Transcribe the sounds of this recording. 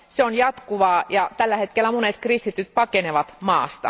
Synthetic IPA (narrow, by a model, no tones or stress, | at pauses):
seonjɑt̪kuʋɑːjɑt̪ælːæhet̪kelːæmonet̪krist̪it̪yt̪pɑkeneʋɑt̪mɑːst̪ɑ̰